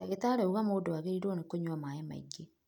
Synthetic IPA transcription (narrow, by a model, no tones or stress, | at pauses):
aɣetaːɾeuɣamoːdoaɣeɾiɾonekoɲwamaema̰ḭɡe